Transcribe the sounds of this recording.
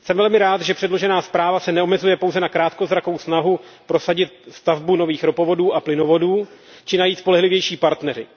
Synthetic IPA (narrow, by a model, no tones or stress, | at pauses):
sɛmvɛlmɪɾaːt̪ʒɛpr̥ɛdlo̞ʒɛnaːspɾaːvasɛnɛo̞mɛzujɛpowzɛnakɾaːt̪kozɾako̞wsnaɦupɾo̞saɟɪt̪̚st̪avbuno̞viːxɾopo̞vo̞duːaplɪno̞vo̞duː | t͡ʃɪnajiːt̪spo̞lɛɦlɪvjɛjʃiːpaɾt̪nɛɾɪ